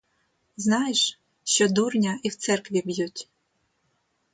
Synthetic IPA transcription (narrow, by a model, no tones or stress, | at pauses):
znɑjeʃ | ʃt͡ʃɔd̪urnʲɐiwt̪sɛrkʋʲibjutʲ